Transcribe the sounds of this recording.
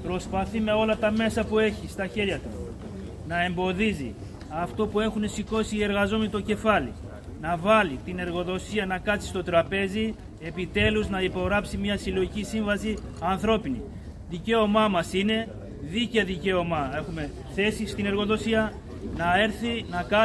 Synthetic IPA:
pɾo̞spɐθime̞o̞lɐt̪ɐme̞sɐpue̞çist̪ɐçe̞ɾʝɐt̪u | nɐe̞mbo̞ðizḭ | ɐft̪o̞pue̞xune̞siko̞siːe̞ɾɣɐzo̞menit̪o̞ce̞fɐlḭ | nɐvɐlit̪ine̞ɾɣo̞ðo̞siɐnɐkɐt̪si̥st̪o̞t̪ɾɐpe̞zi | e̞pit̪e̞luznɐipo̞ɣɾɐpsimɲɐsilo̞ʝicisiɱvɐsi | ɐnθɾo̞pinḭ | ðice̞o̞mɐmɐsine̞ | ðicɐðice̞o̞mɐe̞xume̞ | θe̞sist̪ine̞ɾɣo̞ðo̞siɐ | nɐe̞ɾθinɐkɐ

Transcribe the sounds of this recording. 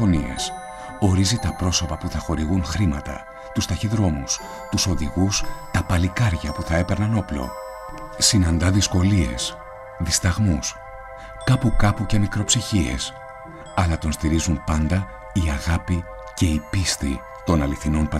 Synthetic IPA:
onie̞̰s | o̞ɾizit̪ɐpɾo̞so̞pɐpuθɐxo̞ɾiɣunxɾimɐt̪ɐ̰ | t̪ust̪ɐçiðɾo̞mus | t̪uso̞ðiɣust̪ɐpɐlikɐɾʝɐpuθɐe̞pe̞ɾnɐno̞plo̞̰ | sinɐnd̪ɐðisko̞lie̞̰s | ðist̪ɐɣmus | kɐpukɐpuce̞mikɾo̞psiçie̞̰s | ɐlɐt̪o̞nst̪iɾizumpɐnd̪ɐ | iɐɣɐpi | ce̞ipist̪ḭ | t̪o̞nɐliθino̞npɐ

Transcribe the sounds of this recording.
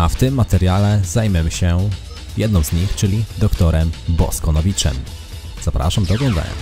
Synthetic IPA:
aft̪ɘmːat̪ɛɾjalɛzajmʲɛmɕɛ | jɛd̪nɔ̃w̃zɲixt͡ʂɘlʲid̪ɔkt̪ɔɾɛmbɔ̰skɔnɔvʲit͡ʂɛ̰m | zapɾa̰ʂamd̪ɔːɡlɔ̃nd̪a̰ɲɛ̰

